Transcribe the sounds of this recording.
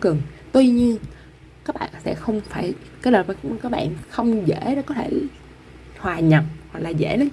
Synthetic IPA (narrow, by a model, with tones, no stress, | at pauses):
kɨ˨˩ŋt̪wi˧ɲi˧ən | kaː˦˥k̚ɓa̰ː˧˨nsɛ̰˧˥xə˧wŋ͡mfaː˧˩jkaː˨˦jləː˨˩vkaː˦˥k̚ɓa̰ː˧˨nxə˧wŋ͡mzḛ˧˩ɗɔ˨˦kɔ˨˦t̪ʰe˧˩ | hwaː˨˩ɲə˨˩t̚hwa˨˩k̚laː˨˩zḛ˧˩˥lə˨˦n